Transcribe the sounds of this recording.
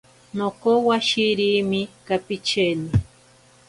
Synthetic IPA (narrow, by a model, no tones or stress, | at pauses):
nokowaʃiɾimɪkapit͡ʃeni